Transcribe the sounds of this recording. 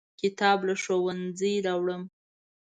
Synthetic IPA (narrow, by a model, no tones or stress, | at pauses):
kɪt̪ɑblaʃowand͡zəjɾɑwɽəm